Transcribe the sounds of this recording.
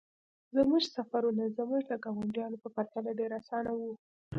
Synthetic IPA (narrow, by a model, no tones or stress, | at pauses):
zəmuʒsafaɾunazəmuʒd̪əɡɑwaɳɖjɑnopəpaɾt̪alaɖeɾasɑnawu